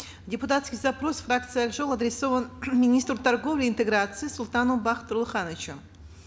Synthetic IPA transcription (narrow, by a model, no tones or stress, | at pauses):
dʲɪpʊt̪at̪skʲɪjzɐpɾo̞sfrak̚t̪sɨjɐlʐolˠɐd̪ɾʲɪsovənmʲɪnʲist̪rt̪ɐrɡo̞vlʲɪːnt̪ɨɡɾat̪sɨːsʊlˠt̪anombaχt̪ɾʊlˠχanət͡ʃəm